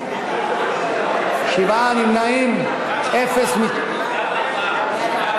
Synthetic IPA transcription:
ʃibanimnaim | efesmit̪

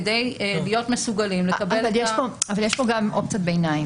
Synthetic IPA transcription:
d̪ejlijo̞tmesuɡalimlekabelvaljeʃpoavaljeʃpo̞ɡamʔopt͡sat̚bejnaim

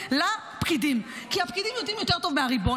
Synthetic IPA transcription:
la | pkid̪im | kiapkid̪imjotimjo̞teʁt̪o̞vmeaʁibo

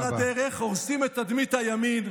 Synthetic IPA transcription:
ad̪eʁeχoʁsimet̪ad̪mit̪hajamin

